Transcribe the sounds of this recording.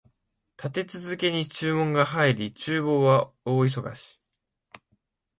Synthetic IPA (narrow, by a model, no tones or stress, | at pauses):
t̪at̪e̞t͡sɨzɨke̞ɲ̟it͡ɕɨːmõ̞ŋɡahaiɾʲit͡ɕɨːbo̞ːβa | o̞ːis̬o̞ɡa̰ɕi̥